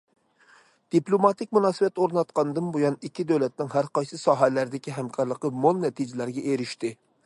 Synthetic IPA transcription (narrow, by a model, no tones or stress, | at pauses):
d̪̥iplˠomɑt̪ɪk̚ʲmunɑːsɨbɛt̪oɾnɑt̪qɑnɨd̪ɨnbojɑnikʲʰːid̪øwlɛt̪nɪŋɦæɾqɑjsɨsɑːɦælæɾd̪ɪkʲiɦɛmkʰɑɾlˠəqːəmolˠnɛt̪ʰid͡ʒɪlæɾɡʲɛʔeɾɪʃt̪ɪ